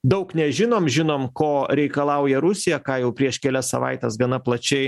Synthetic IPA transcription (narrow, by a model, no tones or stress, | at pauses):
d̪ɐʊknʲɛʒʲɪnoːmʒʲɪnoːmkoːɾʲɛɪkɐlˠɐʊjɛɾʊsʲɪjɛkɑːjɛʊpʲɾʲiɛʃkʲɛlʲɛssɐ̰ʋɐ̰ɪt̪ʲɛsɡɐnɐplˠɐt͡ʃʲɛɪ